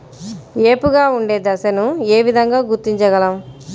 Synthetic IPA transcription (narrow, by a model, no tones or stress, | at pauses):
eːpuɡaːuɳɖeːd̪ɐsɐnueːʋid̪ʱɐŋɡaːɡuɾt̪iɲt͡ʃɐɡɐlɐm